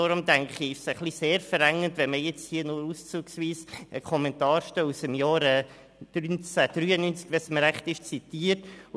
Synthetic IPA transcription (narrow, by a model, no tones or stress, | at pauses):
oɾʊmdæŋχiɪʃsəχliseːɾfəɾɛŋːəntʋɛnməjɛt͡shiːənʊɾust͡suːksʋiːsəkʰɔmɛntɑːɾʃtœusəmjɑːɾɛ | d̥ynt͡sæd̥ɾyːənynt͡skʋɛsməɾæχtɪʃt͡sit̪iːəɾt